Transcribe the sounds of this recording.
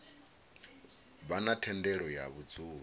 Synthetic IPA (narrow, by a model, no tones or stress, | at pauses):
βanatʰɛndɛɺɔjaβud͡zuːɺ